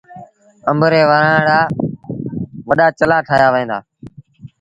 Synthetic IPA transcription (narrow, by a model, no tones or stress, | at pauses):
əmbʱəɾeːʋəɾaːɽaː | ʋəɗaːt͡ʃəlãːʈʰaːjaːʋəẽːnd̪a̰ː